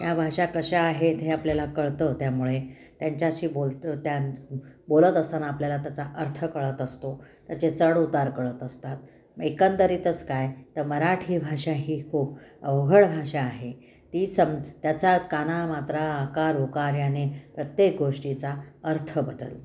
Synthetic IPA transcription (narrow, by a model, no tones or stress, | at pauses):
jabʱaʂakəɕaaɦet̪eapljalakəɭt̪ət̪jamuɭe | t̪jaɲt͡ɕjaɕiːbolt̪ət̪jabolət̪əsənapljalat̪jat͡saʔəɾt̪ʰəkəɭət̪əst̪ot̪jat͡set͡səɽut̪aɾkəɭət̪əst̪at̪̚ | mekənt̪əɾiːt̪ət͡skajt̪əɾməɾaʈʰiːbʱaʂaɦiːkʰuːpəʋɡʱəɽbʱaʂaːɦe | t̪iːsəmt̪jat͡sakanamat̪ɾaːkaɾokaɾjanepɾət̪jek̚ɡʱoʂʈit͡saəɾt̪ʰəbəd̪ə̰l